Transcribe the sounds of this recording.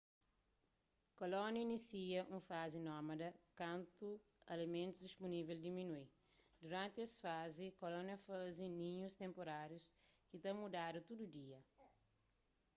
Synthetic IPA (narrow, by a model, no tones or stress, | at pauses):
kolɔnjɐinisiɐʔũfazinɔmɐd̪ɐkãnt̪u | ɐ̰lemẽnt̪uzd̪ispuniveld̪iminui | d̪uɾãnt̪eɛsfazikolɔnjɐfazĩnĩɲust̪ẽmpoɾaɾjuskit̪ɐ̃mud̪ad̪ut̪ud̪ud̪iɐ